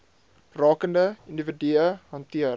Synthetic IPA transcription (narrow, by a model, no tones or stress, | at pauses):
rɑːkəndəindividiəɦɐntiə